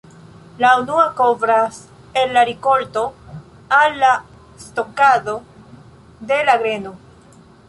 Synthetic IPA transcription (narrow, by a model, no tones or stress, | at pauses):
launuakovɾas | enːaɾiko̞lto̞ | alːa | st̪o̞kaðo̞ | d̪e̞laɡɾe̞no